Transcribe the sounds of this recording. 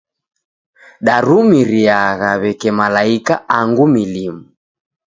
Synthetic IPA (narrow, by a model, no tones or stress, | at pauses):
ɗaɾumiɾiaɣaβɛkɛmalaikaaŋɡumilimu